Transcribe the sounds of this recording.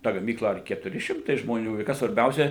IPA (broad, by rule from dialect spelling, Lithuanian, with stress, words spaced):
ˈtɐ ɡɐˈmʲiːklˠɐ ɐr kʲɛtʊˈrʲɪ ˈʃʲɪmtɐɪ ʒmoːˈnʲuː ɪ ˈkɐs sʋɐrʲˈbʲɛʊsʲɛ